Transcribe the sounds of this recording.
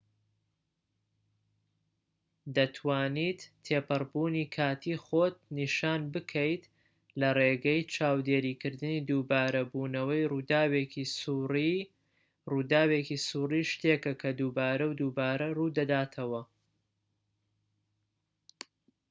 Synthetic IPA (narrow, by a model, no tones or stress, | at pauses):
d̪ɐt̪ʰwaːnit̪ʰːeːpɨrbuːniːkʰaːt̪ʰiχot̪̚niʃaːnbɨkʰɐjt̪ | lɐreɡɐjt͡ʃʰaːwd̪eːɾiːkɨɾd̪ɨniːd̪uːbaːɾɐbuːnɐwɐjrud̪aːwei | ruːd̪aːwekisuːriʃt̪e̞kɐkʰɐd̪ubaːɾɐwd̪uːbaːɾɐruːd̪ɐd̪aːt̪ʰɐwɐ